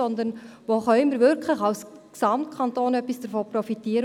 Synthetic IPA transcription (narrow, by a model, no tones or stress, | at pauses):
ɔnd̪ənʋoːχœʏməɾvɪɾkʰlɪçɑwsksɑmtkʰɑntoːnœpːisd̥əɾfoːprɔfitiːəɾə